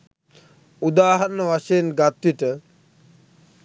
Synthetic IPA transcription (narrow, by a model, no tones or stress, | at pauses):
ud̪aːɦanəʋaʃejenɡat̪ʋiʈə